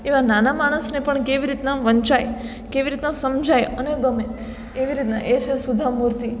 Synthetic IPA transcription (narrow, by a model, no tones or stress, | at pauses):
eʋananamaɽ̃əsnepəɳkeʋiɾit̪naʋəɲt͡ʃaj | keʋiɾit̪nasəmd͡ʒʱajəneɡəme | eʋiɾit̪na̰ʔet͡ʃʰesud̪ʱamuɾt̪i